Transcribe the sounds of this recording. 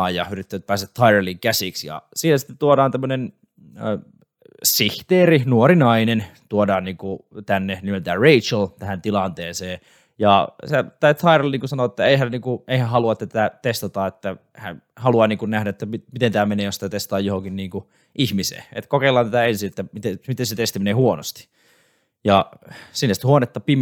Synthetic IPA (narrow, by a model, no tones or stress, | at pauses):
ɑjɑyrit̪ːææt̪̚pæːst̪æt̪ʰɑirɑliŋkæsiksjɑ̰siːnæsi̥t̪ːet̪t̪uodɑːnt̪æmːønen | siht̪eːrinuorinɑinent̪uodɑːnniːŋkut̪ænːenimelt̪æːreit͡ʃlt̪æhænt̪ilɑnt̪eːnseː | jɑsæt̪ɑit̪ʰɑirɑlniːŋkusɑnoet̪ːæeihænniːŋkueihæhɑluɑet̪ːæt̪æt̪æt̪est̪ɑt̪ɑet̪ːæ | hæ | hɑluɑniːŋkunnæhdæet̪ːæmimit̪ent̪æːmeneːjosit̪æt̪est̪ɑt̪ɑːjohoŋkinniːŋku | ʔihmisḛːḛt̪kokeilˑːɑːnæt̪æensiet̪ːæmit̪emit̪enset̪est̪imeneːhuono̰st̪i̥ | jɑsinːsit̪huonet̪ːɑpim